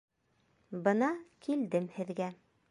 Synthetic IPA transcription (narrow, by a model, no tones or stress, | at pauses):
bɤ̆nɑkʰild̪ɘmhɘ̆ðɡæ